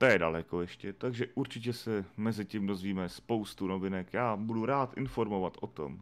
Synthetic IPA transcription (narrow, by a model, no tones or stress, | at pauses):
t̪ojɛdalɛkojɛʃcɛt̪aɡʒɛʔuɾt͡ʃɪc̬ɛsɛmɛzɪciːmdo̞zviːmɛspowst̪unovɪnɛkjaːbuduɾaːt̪ʔɪnfo̞ɾmovat̪ʔot̪o̰m